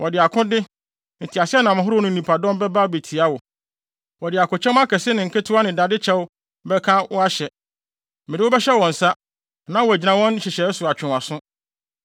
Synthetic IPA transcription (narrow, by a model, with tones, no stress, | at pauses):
wʔɔ˨dɪ˨a˨kʰʊ̃˦dɪ˦ | n̩˨tʰi˨a˨sɪ˦ɛ˦nã˨mɪ̃˨ɦʊ˦ɾʊ˦nʊ̃˦n̩˦˨nĩ˨pʰa˨dɔ̃˦m˦bɛ˦ba˦˨be˨tʰi˨a˦wʊ˨ | wɔ˨dɪ˨a˨kʊ̃˨t͡ɕʰɛ̃˦m˦a˦kʰɛ˨sɪ˦nɪ̃˨ŋ̩˨kʰɛ˦tʰʊ˦a˦nɪ̃˨da˨dɪ˦t͡ɕʰɛ˦w | bɛ˦kʰã˦wɔ˦a˦ɕɛ˨ | mɪ̃˨dɪ˦wʊ˦bɛ˦ɕɛ˦wɔ̃˨n̩˨sa˦ | nã˦wɔ˨æ˨d͡ʑi˨nã˨wɔ̃˦n˦ɕɪ˨ɕɛ˨˦sʊ˨a˨t͡ɕᶣʰɪ̃˨a˨sʊ̃˦